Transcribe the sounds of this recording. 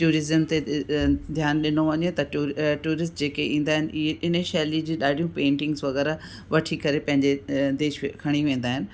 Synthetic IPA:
ʈuːɾɪzəmt̪ed̪ʱjaːnɗɪnoʋɐɲet̪ɐʈuːɾɪsʈd͡ʑeːkeʔĩːn̆d̪aːɦɪnɪ̆ieɪnəʃɐːlid͡ʑiːɗaːɖʱijũpẽːɳʈɪ̃ŋɡzʋɐɣɛːɾa | ʋɐʈʰikɐɾepɐ̃ɦɪ̃ɲd͡ʑed̪eːʃkʰɐɽ̃iʋẽːn̆d̪aːɦɪnɪ̆

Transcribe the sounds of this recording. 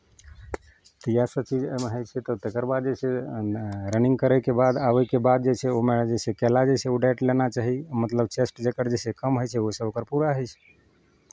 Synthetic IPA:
t̪ijasət͡ʃid͡ʒmeɦəjt͡ʃʰɛt̪ɔt̪ekəɾbad̪̚d͡ʒese | ɾənĩŋɡkəɾəjkebad̪aʋəkebad̪̚d͡ʒet͡ʃʰeomed͡ʒesekɛlad͡ʒet͡ʃʰɛoɖeʈlenat͡ʃaɦimət̪ləb̚t͡ʃesʈd͡ʒekəɾd͡ʒesekəmɦojt͡ʃʰɛosə̃okəɾpuɾaɦəjt͡ʃʰɛ̥

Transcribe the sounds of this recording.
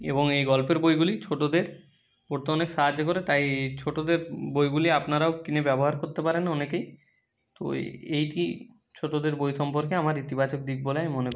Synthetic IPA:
ḛboŋejɡɔlpeɾbojɡulit͡ɕʰoʈod̪eɾ | oɾt̪oɔnekʃaɦad͡ʑːok̬oɾet̪ajt͡ɕʰoʈod̪eɾbojɡuliapnaɾaokinebɛboɦaɾkoɾt̪epaɾenɔnekej | t̪o̰ejʈi | t͡ɕʰoʈod̪eɾbojʃɔmpoɾk̬eamaɾit̪ibat͡ɕok̚d̪ik̚boleamonep

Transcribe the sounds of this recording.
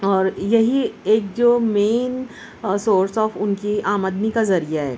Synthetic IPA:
ɔːɾjɐɦieːk̚d͡ʒoːmeːn | soːɾsɔːfʊnkiaːmad̪nikazɐɾijaɦɛ̰ː

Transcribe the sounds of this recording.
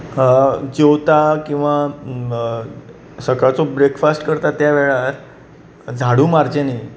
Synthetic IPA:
d͡ʑewt̪akĩw̃ʋa | səkat͡sobɾekfasʈkəɾt̪at̪jaʋeɭaɾ | d͡zʱaɽuːmaɾd͡ʑeniː

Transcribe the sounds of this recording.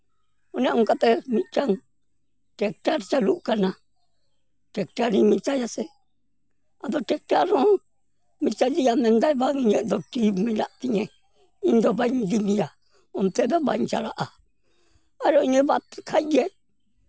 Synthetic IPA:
onãũkat̪emĩt͡ʃaŋ | tek̚taɾt͡ʃaluʔkanã | tekt̪aɾĩmĩt͡ʃajase | aðotek̚taɾõ | mĩt͡ʃad͡ʒijamẽnd̪aiβaŋɲẽd̪ot̪imĩlaʔt̪iɲẽ | ĩnd̪oβaɲd̪iβĩja | õnt̪eðaβa̰t͡ʃa̰ɾaʔa | aɾoinĩβat̪kʰaje

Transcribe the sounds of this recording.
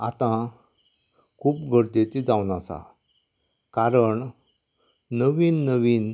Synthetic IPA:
at̪ã | kʰuːpɡʱəɽd̪et͡sid͡zaʋnasa̰ | kaɾəɳ | nəʋiːnːəʋiːn

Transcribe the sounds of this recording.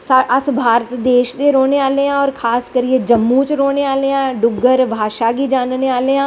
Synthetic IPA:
sɐsbʱaːɾt̪d̪eːʃd̪eɾoːneaːleɦãɔːɾkʰaːskəɾied͡ʒɐmːũt͡ʃɾoːneaːleãɖʊɡəɾbʱaːʃaɡid͡ʒaːnneaːleãː

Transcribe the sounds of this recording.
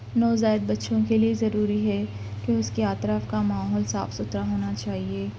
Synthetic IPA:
nɔːzaːɪd̪̚bɐtːʃõkeliezɐɾuːɾiɦɛ | keʊskeaːt̪ɾafkamaːɦɔːlsa̰ːfsʊt̪ɾaɦoːnat͡ʃaːɦieː

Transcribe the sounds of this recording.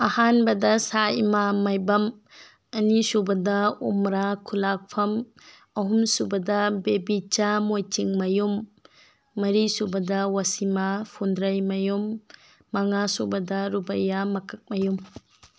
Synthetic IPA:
ɐhanbɐdɐsaimamɐjbɐm | ɐnisubɐdɐomɾakʰulak̚pʰɐm | ɐɦumsubɐdɐbebit͡ʃamojt͡ʃiŋmɐjumː | ɐɾisubɐdɐwasimapʰundɾɐjmɐjumː | ɐŋasubɐdɐɾubɐjamɐkʰɐk̚mɐjum

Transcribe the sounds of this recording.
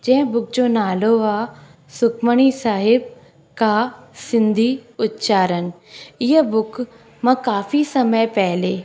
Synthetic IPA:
d͡ʑɐ̃ɦɪ̃bʊk̚d͡ʑoːnaːloaː | sʊkʰməɽ̃isaːɦɪb̚ | kasɪ̃nd̪ʱiʊt̪t͡ʃaːɾən | ɪɦəbʊk | mɐ̃kaːfisɐməjpɛɦleː

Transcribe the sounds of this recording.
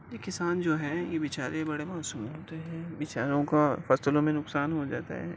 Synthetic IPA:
jekɪsaːnd͡ʒoːɦɛjeʋɪt͡ʃaːɾebɐɽemaːsuːmeɦoːt̪eɦɛ̃ːʋɪt͡ʃaːɾõkafɐsəlõmẽnʊksaːnɦod͡ʒa̰ːt̪a̰ɦɛ̰ː

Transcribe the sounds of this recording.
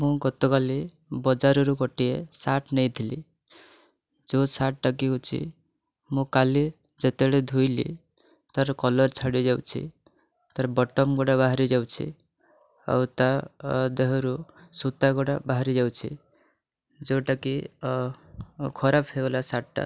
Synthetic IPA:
mũɡɔt̪ɔkali | bɔd͡ʒaɾɔɾukɔʈiesaʈnɔjd̪ʰʱilḭ | d͡ʒosaʈ̚ʈakikut͡ʃʰḭ | mũkali | d͡ʒet̪eɽed̪ʱujlḭ | t̪aɾkɔlɔɾt͡ʃʰaɽid͡ʒawt͡ʃʰḭ | t̪ɔɾbɔʈɔmɡɔɽabaɦaɾid͡ʒawt͡ʃʰḭ | a̰wt̪ad̪eɦɔɾu | sut̪aɡɔɽabaɦɾid͡ʒawt͡ʃʰḭ | d͡ʒoʈaki | kʰɔɾapʰeɡɔlasaʈʈa̰

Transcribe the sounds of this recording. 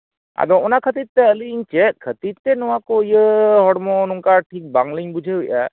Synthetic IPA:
a̰d̪ɔɔnakʰət̪it̪̚t̪ɛəliɲt͡ʃɛʔ̚kʰət̪it̪̚t̪ɛnɔwakɔjəhɔɽmɔnuŋkaʈʰik̚baŋliŋbud͡ʒʱəujʔa̰

